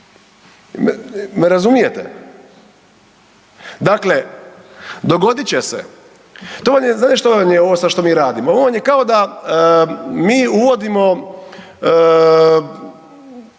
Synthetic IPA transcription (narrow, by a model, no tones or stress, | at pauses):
mmeɾazumijet̪ɛ̰ | d̪akle | d̪o̞ɡo̞d̪it͡ɕesḛ | t̪oʋamjezaːt̪iʃt̪oamjeo̞ʋosaʃt̪o̞miːɾaːd̪imooʋoʋanjekao̞d̪a | miːuʋo̞d̪imo̞